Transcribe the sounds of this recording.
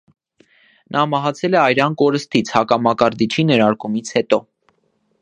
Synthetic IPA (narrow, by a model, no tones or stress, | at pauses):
nʔɑmɑɦɑt͡sʰɛlɛɑjɾɑnkɔɾəst̪it͡sʰhɑkɑmɑkɑɾd̪it͡ʃʰinɛɾɑɾkumit͡sʰhɛt̪ɔ